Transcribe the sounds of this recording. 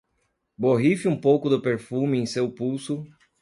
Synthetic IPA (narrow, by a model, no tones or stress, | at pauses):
boɦifɪũpowkʊd̪ʊpeɾfumɪẽj̃sewpuwsʊ